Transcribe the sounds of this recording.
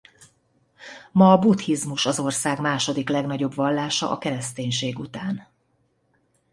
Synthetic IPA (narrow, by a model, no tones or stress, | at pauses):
mɒːbut̪hizmuʃɒzo̞rsaːɡmaːʃo̞d̪iklɛɡnɒɟo̞bʋɒlːaːʃɒ̰ʔɒ̰kɛɾɛst̪eːɲʃeːɡut̪aːn